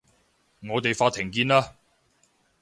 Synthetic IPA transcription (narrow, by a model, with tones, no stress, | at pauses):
ŋɔː˨˧t̪e˨jfaː˧t̪ʰɪ˨˩ŋkiː˧naː˧